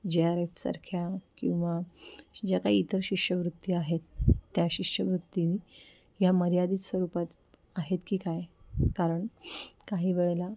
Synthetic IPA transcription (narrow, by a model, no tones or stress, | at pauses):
d͡ʑeaɾefsa̰ɾkʰjakĩw̃ʋad͡ʑakaiit̪əɾɕikɕəʋɾut̪ːiaɦet̪ːjaɕikɕəʋɾut̪ːini | jaməɾjad̪iːt̪sʋəɾupat̪ | aɦet̪kiːkajkaɾəɳkaɦiːʋeɭela